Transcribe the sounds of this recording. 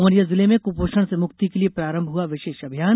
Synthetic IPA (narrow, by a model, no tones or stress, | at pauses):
məɾjəzɪlemẽkupoːʃəɽ̃semʊkt̪ikeliepɾaːɾə̃mbʱɦuaʋɪʃeːʃɐbʱijaːn